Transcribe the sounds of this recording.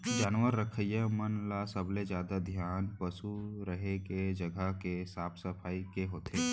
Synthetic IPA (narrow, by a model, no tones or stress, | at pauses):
d͡ʒaːnʋəɾːəkʰəjəmənlasəbled͡ʒjaːd̪ad̪ʱjaːnpəsuɾəɦeked͡ʒəɡʱəkesaːpʰsəpʰaːikeɦoːt̪ʰeː